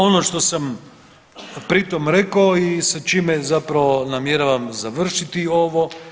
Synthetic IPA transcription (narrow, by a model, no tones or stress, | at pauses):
o̞noʃt̪o̞sam | pɾit̪omɾekaoisat͡ʃiːmezapɾaʋonamjeɾaʋamzaʋr̩ʃit̪io̞ʋo̞